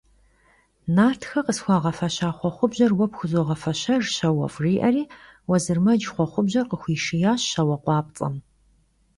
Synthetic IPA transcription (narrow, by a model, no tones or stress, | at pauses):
naːrtʰxɐqəsxʷɑːʁɐfɐɕaːχʷɔχʷʊbʑɐrwɐpxʷʊzoːʁɐfɐɕɐrɕɐwɐ̰fʼriːʔɐriːwɔzɨrmɐd͡ʒχʷɔχʷʊbʑɐrqəxʷiːʃɪjaːɕɕɐwɐqʷɑːp̚ʼt͡sʼɐ̰m